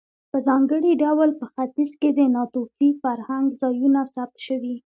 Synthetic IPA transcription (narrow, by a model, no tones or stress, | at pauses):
pəzɑŋɡəɽiɖawlpəxat̪izked̪ənɑt̪ofifaɾhaŋɡzɑjunasab̚t̪ʃəwi